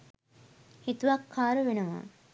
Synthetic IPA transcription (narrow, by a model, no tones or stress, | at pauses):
het̪uʋakʰːaːɾəʋenəʋa̰ː